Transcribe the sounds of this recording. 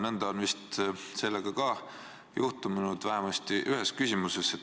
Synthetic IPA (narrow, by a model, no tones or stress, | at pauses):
nɤnd̪̥ɑonvist̪se̞lːeɡ̥ɑkɑ | juht̪umnud̪̥væɦemɑst̪iʔyɦe̞skysʲimuseset̪